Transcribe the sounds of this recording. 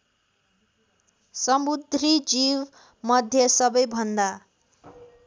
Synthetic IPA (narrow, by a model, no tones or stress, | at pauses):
sʌmud̪ʱrid͡ziw | mʌd̪ʱjʌsʌbʌjbʱʌnd̪a